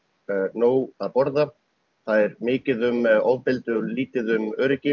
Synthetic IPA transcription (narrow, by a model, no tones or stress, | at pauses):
noːwaðpɔɾða | θaðɛɾmɪːcɪðʏmɔwvpɪlt̪ʏliːt̪ɪðʏmœːɾɪcɪ